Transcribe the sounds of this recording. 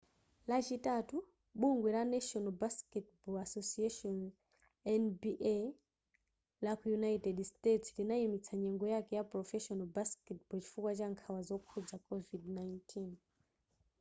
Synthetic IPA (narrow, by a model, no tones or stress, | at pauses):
lat͡ʃitatu | ɓuŋɡwɛɾanaʃɔnabaskɛtbɔasɔsiaʃɔn | ɛnbiʔ | lakujunajtɛdstetslinaimit͡sʰaɲɛŋɡɔjakɛjapɾɔfɛʃɔnabaskɛt̚bɔt͡ʃi̥fukwat͡ʃaŋkʰawazɔkʰud͡zakʰɔvidnajntʰin